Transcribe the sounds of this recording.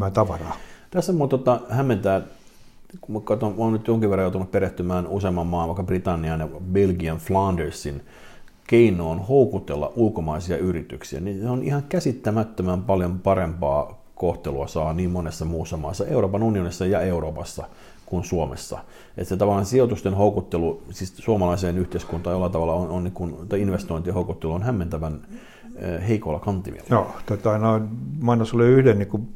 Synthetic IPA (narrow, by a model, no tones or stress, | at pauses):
mæt̪ɑʋɑrɑːt̪æsːæmuot̪ot̪ɑhæmːent̪æː | kukɑt̪ooːnnyt̪joŋkiʋerɑjoˑut̪unuppeɾeht̪ymæːnuseːmːɑmːɑːlʋɑˑikːɑbrit̪ɑnːiɑnjɑbelɡiɑnflɑndersːin | keinˑoːnhoukut̪elːɑ̰ʔʔulkomɑisiɑyrit̪yksiæ̰ninseonʔḭhɑŋkæsit̪ːæmæt̪ːømæmpɑljompɑrempɑː | koht̪eluɑsɑːniːmmonesːɑmuːsːɑmɑːsːɑʔeuroːpɑnunionisːɑjɑeuroːpɑsːɑ̰ | kunsuomḛsːɑ̰ | ʔḛt̪set̪ɑʋɑlːɑnsiot̪ust̪enhoukut̪ːelusiːssuomɑlɑiseːnyht̪eiskunt̪ˑɑjolːɑt̪ɑʋɑlːɑononniːŋkunt̪ɑiinʋest̪oint̪ihoukut̪ːeluonhæmːent̪æʋænː | heikolːɑkɑnt̪ˑimḭḛljot̪ot̪ɑinɑnmɑinosoliyhdenniku